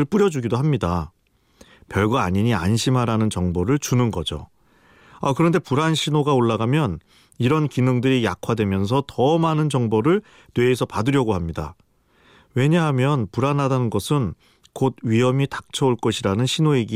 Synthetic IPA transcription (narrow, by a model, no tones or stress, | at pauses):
ɯɭp͈ɯɾjʌd͡ʑuɡidoɦamɲida | pjʌɭɡwaːɲiɲianɕʰimɦaɾanɯnt͡ɕʌŋboɾɯɭt͡ɕunɯnɡʌd͡ʑo̰ | akɯɾʌnde̞puɾanɕʰinoɡaoɭːaɡamjʌn | iɾʌnkinɯŋdɯɾijakʰwadwe̞mjʌnsʰʌtʌmanɯnd͡ʑʌŋboɾɯɭ | nwe̞ːsʰʌpadɯɾjʌɡoɦamɲida̰ | we̞ɲaɦamjʌnpuɾanɦadanɯnɡʌsʰɯn | kod̚ɥiɦʌmitḁk̚t͡ɕʰʌoɭk͈ʌɕʰiɾanɯnɕʰinoeɡi